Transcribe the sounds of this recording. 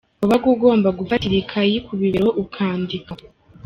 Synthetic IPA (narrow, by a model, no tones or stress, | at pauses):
uβaɡuɡo̞ːmbaɡufatiɾikʰajikʰuβiβeɾo̞ʔukʰaːndika